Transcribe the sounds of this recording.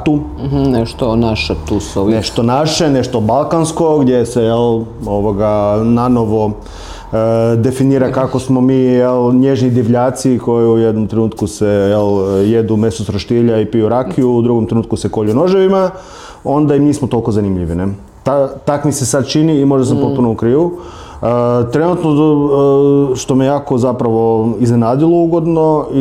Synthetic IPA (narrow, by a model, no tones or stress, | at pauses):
t̪uneʃt̪onaʃet̪usoneʃt̪onaʃene̞ʃt̪obalˠkansko̞ɡd̪jesejeloʋoɡanano̞ʋo̞ | d̪e̞finiːɾakakosmo̞miːjelɲeʒnid̪iʋʎaːt̪siko̞jiujed̪nomt̪ɾenuːt̪kusejeljed̪ume̞sosɾoʃt̪iʎaipijuɾakʰiuud̪ɾuɡomt̪ɾe̞nuːt̪kuseko̞ʎuno̞ʒeʋima | o̞nd̪aimiːsmot̪o̞lˠko̞zanimʎiʋine | t̪at̪akmise̞sad̪t͡ʃiniːmo̞ʒd̪as̬ampo̞t̪punomukɾiːʋu | t̪ɾe̞nut̪no | ʃt̪o̞mijaːkozapɾaʋo̞iznenaːd̪ilˠouɡo̞d̪no̞i